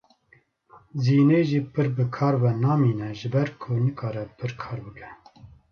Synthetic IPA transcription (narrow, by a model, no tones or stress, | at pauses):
ziːneːʒiːpʰɨɾbɨkʰɑːɾvɛnɑːmiːnɛʒɨbɛɾkʰʊnɨkʰɑːɾɛpʰɨɾkʰɑːɾbɨkʰɛ